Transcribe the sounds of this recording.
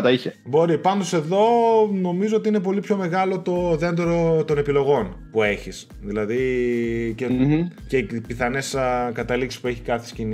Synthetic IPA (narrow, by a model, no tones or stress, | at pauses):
ɐt̪ɐiçebo̞ɾipɐnd̪o̞se̞ðo̞no̞mizo̞ot̪iine̞p̬o̞lipço̞me̞ɣɐlo̞t̪o̞ðe̞nd̪eɾot̪o̞ne̞pilo̞ɣo̞npue̞çis | ðilɐði | cece̞ipiθɐneskɐt̪ɐliksi̥spue̞çi̥kɐθescini